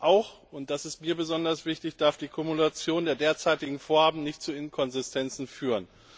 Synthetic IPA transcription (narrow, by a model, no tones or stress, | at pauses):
ʔaʊxʔʊnt̚d̥asɪstmiːɐbəzɔndɐsv̥ɪçtɪçd̥aɐfd̥iːkʰʊmulat͡sjoːndeːɐdeːɐt͡saɪtɪɡŋ̩foːɐhaːbm̩nɪçtt͡suɪnkʰɔnzɪstʰɛnt͡sn̩fyːʁən